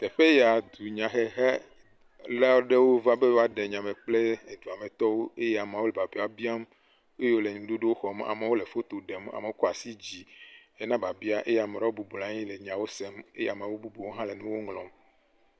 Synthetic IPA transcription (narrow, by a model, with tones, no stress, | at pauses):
t̪e˨ɸe˦ja˨d̪u˨ɲã˨xe˦ɦɛ˦ | la˦ɖe˦wo˦va˦be˦wo˦a˦ɖe˨ɲã˨mẽ˨k͡ple˦e˨d̪u˨a˨me˨t̪ɔ˦wo˦e˦jɛ˦a˨ma˨wo˦le˨ba˨bi˦a˨bi˦a˦m | e˦jo˦le˨ɲũ˨ɖu˦ɖe˦wo˦xɔ˨ma̰˨me˨wo˦le˨fo˦t̪o˨ɖe˨ma̰˨me˨wo˦kɔ˦a˨si˦d͡ʑi˨e˦nã˦ba˨bi˦a˦ʔe˦jɛ˦˨a˨me˨ɾa˦wo˦bu˨bu˨lã˦ɲĩ˦le˨ɲ˨ã˨wo˦se˦me˦ja˨m˨ã˨wo˦bu˦bu˨wo˦ɦã˦le˨nũ˦wo˦ŋlɔ̃˨m